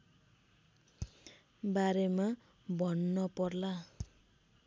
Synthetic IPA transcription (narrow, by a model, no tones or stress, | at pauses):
baɾema | bʱʌnːʌpʌrla